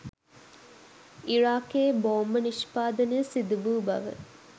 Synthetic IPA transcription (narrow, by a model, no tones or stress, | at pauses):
iɾaːkeːboːmːəniʃpaːd̪ɐnesid̪uʋuːbɐ̰ʋə̰